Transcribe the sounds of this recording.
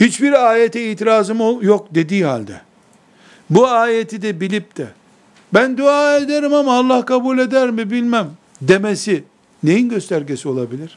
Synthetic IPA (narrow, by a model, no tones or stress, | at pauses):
hit͡ʃbiɾaːjet̪ʰɛiːt̪ʰiɾaːzɯmojok̚d̪e̞d̪iːɦalʲd̪ɛ̰ | buaːjet̪ʰid̪ɛbilʲip̚t̪ʰɛ | bænd̪uaːed̪eɾimhamaːlˠːahkʰabuːlʲe̞d̪æɾmibilʲmæm | d̪e̞mesi | ne̞jinɟøst̪ʰæɾɟesio̞lˠabilʲiɾ̥